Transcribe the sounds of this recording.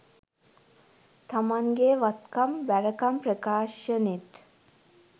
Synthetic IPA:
t̪ʰɐmaŋɡeːʋɐt̪kɐmbɛɾɐkɐmpɾəkaːʃənit̪

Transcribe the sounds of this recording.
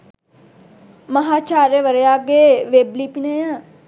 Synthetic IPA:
mɐɦaːt͡ʃaːɾəʋəɾjaːɡeʋeblipinejã

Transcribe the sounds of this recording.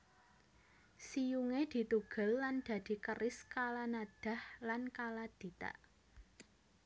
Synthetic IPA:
sijuŋed̪̥i̤t̪uɡ̥ə̤lːand̪̥ä̤d̪̥i̤kəɾɪskalanad̪̥a̤hlankalad̪̥i̤t̪a̰ʔ

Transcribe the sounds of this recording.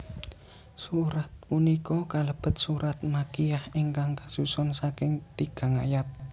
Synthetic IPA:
suɾat̪̚punikɔkaləb̥ə̤t̪̚suɾat̪̚makiahiŋkaŋkasusɔnsakɪŋt̪iɡ̥a̤ŋajat̪̚

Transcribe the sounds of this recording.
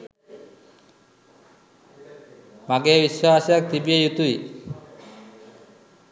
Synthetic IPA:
maɡebiʃːoaʃak̚t̪ibiejut̪uj

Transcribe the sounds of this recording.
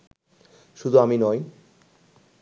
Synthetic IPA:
ʃud̪ʱuaminɔj

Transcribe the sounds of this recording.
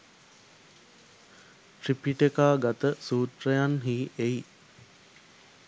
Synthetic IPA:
ʈripiʈekaːɡat̪əsuːt̪rəjanɦiːʔej

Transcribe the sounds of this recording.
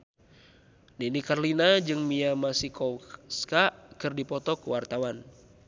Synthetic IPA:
ninikarlinad͡ʒɨŋmiamasikɔskaʔkɨrdipɔt̪ɔkəwart̪awan

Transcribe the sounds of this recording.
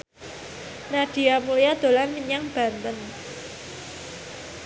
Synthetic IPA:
naɖ̥i̤amulijad̪̥o̤lanmiɲaŋb̥a̤nt̪ən

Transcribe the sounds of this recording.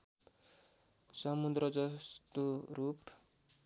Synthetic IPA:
sʌmud̪rʌd͡zʌst̪orup

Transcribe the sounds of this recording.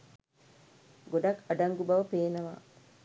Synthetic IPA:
ɡoɖɐkːɐɖɐŋɡubɐʋɐpeːnɐʋa̰

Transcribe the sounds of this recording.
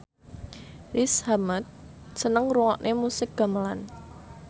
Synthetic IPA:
rɪshamət̪̚sənəŋruŋɔʔnʔemusɪk̚ɡ̥a̤məlan

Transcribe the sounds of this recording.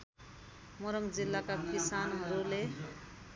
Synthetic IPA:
mʌɾʌŋd͡zilːakakisanɦʌɾule

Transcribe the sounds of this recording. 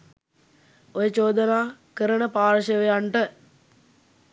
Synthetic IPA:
ojət͡ʃoːd̪ənaːkəɾənəpaːɾʃəʋejaɳʈə

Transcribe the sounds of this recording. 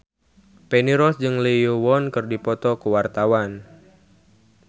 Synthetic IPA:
peniɾɔsd͡ʒɨŋlejowɔnkɨrdipɔt̪ɔkəwart̪awan

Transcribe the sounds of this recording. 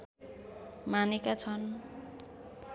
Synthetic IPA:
manekat͡sʰʌn

